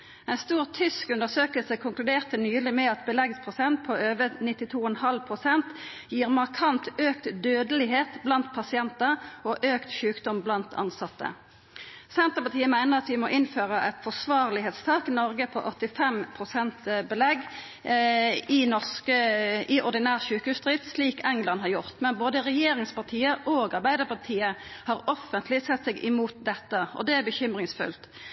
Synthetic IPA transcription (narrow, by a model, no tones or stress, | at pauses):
ɛɪnst̪uːʁt̪ʰʏskʉnəʁsøːkəlsəkʰʊŋklʉd̪eːʁt̪ənyːlɪmɛɑt̪bəlɛɡspʰʁʊsɛnt̪̚pʰɔʔøːʋənɪt̪ːɪt̪ʰuːɔɛnhɑlpʰʁʊsɛnt̪ | jiːʁmɑʁkʰɑnt̪øːkt̪d̪øːd̪əlɪɦeːt̪blɑnt̪pʰɑsɪɛnt̪əɔʔøːkt̪ʃʉːkd̪ɔmblɑnt̪ʰɑ̰nsɑt̪ːə̰ | sɛnt̪əpɑt̪ʰiːəmæɪnəʁɑt̪ʋɪmɔʔɪnføːʁəʔɛt̪fɔsʋɑːʁlɪɦeːt̪st̪ʰɑːkɪnɔɾɡəpʰɔ̰ʔɔt̪ːɪfɛmpʰʁʊsɛnt̪bəlɛɡ | ɪnɔʁskəɪʔɔʁd̪ɪnæːʁʃʉːkəhʉːsd̪ʁɪt̪sliːkɛŋlɑnɦɑʁjʊʁt̪mɛnboːd̪əʁɛjeːɾɪŋspɑʁt̪ʰiːəʔoːɡɑʁbæɪd̪əʁpɑʁt̪ʰiːəhɑːɾɔfːənt̪ʰlɪsɛt̪ːsɛɡʔɪmuːt̪̚d̪ɛt̪ːəɔ̰d̪ɛæbəçʏmʁɪŋsfʉ̰lt̪